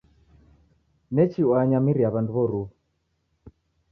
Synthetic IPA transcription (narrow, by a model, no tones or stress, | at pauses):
nɛt͡ʃiwaɲamiɾiaβanduβɔɾuu